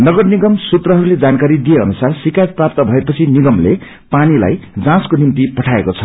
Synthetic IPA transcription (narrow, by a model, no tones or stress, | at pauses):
nʌɡʌrniɡʌmsut̪rʌɦʌɾuled͡zankaɾid̪ijeʌnusarsikajʌt̪̚prap̚t̪ʌbʱʌepʌt͡sʰiniɡʌmle | panila̰jd͡zãskonimt̪ipʌʈʰaekot͡sʰʌ̥